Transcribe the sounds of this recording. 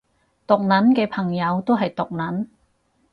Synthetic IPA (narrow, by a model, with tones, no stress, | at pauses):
t̪ʊ˨k̚nɐ˨˥nkɛː˧pʰɐ˨˩ŋjɐ˨˧wt̪o˥wɦɐ˨jt̪ʊ˨k̚nɐ˨˥n